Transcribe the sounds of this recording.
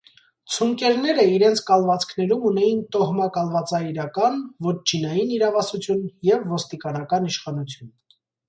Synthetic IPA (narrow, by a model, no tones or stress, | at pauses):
t͡sʰuŋkɛɾnɛɾəiɾɛnt͡sʰkɑlvɑt͡sʰkʰnɛɾumunɛjint̪ɔhmɑkɑlvɑt͡sɑiɾɑkɑnvɔt͡ʃʰinɑjiniɾɑvɑsut͡sʰjunjɛvːɔst̪ikɑnɑkɑniʃχɑnut͡sʰjun